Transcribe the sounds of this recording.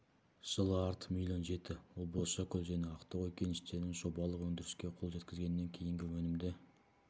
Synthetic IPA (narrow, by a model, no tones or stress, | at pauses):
ʒ̥əlˠəɑɾt̪ə̥milʲo̞nʒe̞t̪ɪwolˠboʃɑkʲʰʏlʒæne̞ɑqt̪ɑʁɵkʲe̞nɪʃt̪e̞ɾɪnɪnʒo̞bɑlˠəqwɵnd̪ɪɾɪʃkʲe̞qʰʊlˠʒe̞t̪kʲɪzɡʲe̞nːe̞ŋkʲʰe̞jɪŋɡʲɪwɵnɪmd̪ɪ